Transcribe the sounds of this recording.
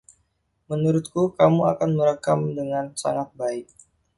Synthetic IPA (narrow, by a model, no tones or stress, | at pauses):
mənuɾʊt̪̚kukamua̰kanməɾəkamdəŋansa̰ŋat̪̚baɪk̚